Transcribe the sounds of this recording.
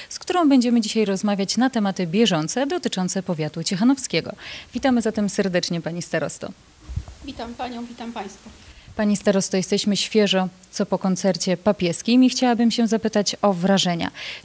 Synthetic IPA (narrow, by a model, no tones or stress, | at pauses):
skt̪uɾɔ̃w̃bɛɲd͡ʑɛmɘd͡ʑiɕajɾɔzmavʲjat͡ɕnat̪ɛmat̪ɘbʲjɛʐɔnt̪sɛd̪ɔt̪ɘt͡ʂɔnt̪sɛpɔvʲjat̪ut͡ɕɛxanɔfskʲɛɡɔ̰vʲit̪amɘzat̪ɛmsɛɾd̪ɛt͡ʂɲɛpaɲist̪aɾɔst̪ɔ̰ | vʲit̪ampaɲɔ̃w̃vʲit̪ampaj̃st̪fapaɲist̪aɾɔst̪ɔjɛst̪ɛɕmɘɕfʲjɛʐɔ | t̪sɔpɔkɔnt̪sɛɾt͡ɕɛpapʲjɛskʲimixt͡ɕawabɘmɕɛzapɘt̪at͡ɕɔvɾaʐɛɲa̰